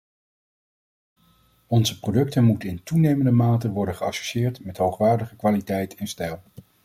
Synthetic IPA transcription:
ɔnzəprodɵk̚tənmutəɪntunejməndəmaːtəʋɔɹdəχəɑ̰so̥ʃɪːɹtmɛtɦowχʋaːɹdəχəkʋaːlitɛjtʰɛnstɛlˠ

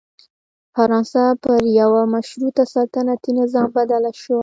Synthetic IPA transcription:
faɾɑnsapəɾjawamaʃɾut̪asɑt̪ənat̪inɪzɑmbad̪alaʃowa

